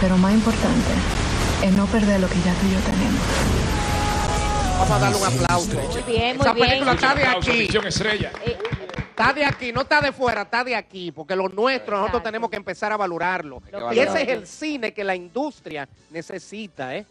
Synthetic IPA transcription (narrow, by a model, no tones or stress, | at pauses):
peɾomasimpoɾt̪ant̪e̞ | enopeɾðeɾlokeʝak̪uʝot̪enemos | βamosaðaɾleuŋaplawsoesapelikulat̪aðeakisjoŋest̪ɾeʝa | t̪aðeakino̞t̪aðe̞fweɾat̪aðeakipo̞ɾke̞lo̞nwe̞st̪ɾonosot̪ɾost̪ene̞moskempe̞saɾaβaloɾaɾlo̞̰ieseeselsine̞ke̞laind̪ust̪ɾjane̞se̞sit̪ae